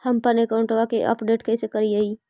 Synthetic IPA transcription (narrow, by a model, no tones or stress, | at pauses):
həmpənekaʊ̃ɳʈoʋakeʔə̰pɖeːʈkɛːsekɐɾiaiː